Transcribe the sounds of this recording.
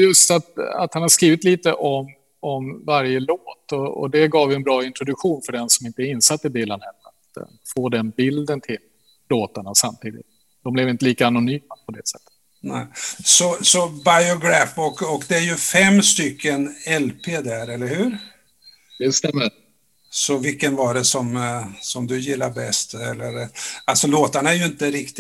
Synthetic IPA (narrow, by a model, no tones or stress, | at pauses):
jɵst̪at̪a̰t̪hanhaʂkɾiːvɪt̪liːt̪əʔɔm | ɔmvaɾjəloːt̪ɔɔ̰d̪ɛɡɑːvvɪɛnbɾɑːɪnt̪ɾʊd̪ɵkɧuːnfœɖɛnsɔmɪnt̪əɪnsat̪ːəd̪eːlanɛnːa̰t̪ | foːd̪ɛnbɪld̪ənt̪ʰɪlː | oːt̪aɳasamt̪ʰiːd̪ɪ̰t̪̚ | d̪̥ɔmblɛvɪnt̪əliːkaːnʊnyːmapʰɔd̪ɛsɛt̪ːə̥t̪ | nɛɪsɔsɔbajɔɡɾæfɔkɔkd̪ɛæɾjɵfɛmːst̪ʏkʰːənɛlpʰeːd̪æɾɛlːəɾhʉ̟ːɾ | d̪̥ɛst̪ɛmːə | sɔvɪlkːənvaɖɛsɔmsɔmd̪ɵjɪlːaɾbɛst̪ɛlːəɾalsɔloːt̪aɳaæɾjɵɪnt̪əɾɪkt̪ɪ